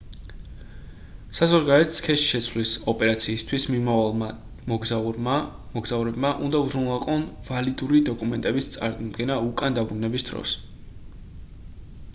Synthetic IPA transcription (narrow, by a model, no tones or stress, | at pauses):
sazɔɾɡaɾɛt̪skʰɛʃʃɛt̪sʰvlisɔpʼɛɾat̪sʰiːst̪ʰwismimavalˠa | mɔɡza | mɔɡzauɾɛbmaʔṵnd̪auzɾunlˠaqʼɔnvalid̪uɾid̪ɔkʼumɛnt̪ʼɛbist̪sʼa̰ɾmd̪ɡɛnaukʼand̪abɾunɛbisd̪̥ɾɔ̰s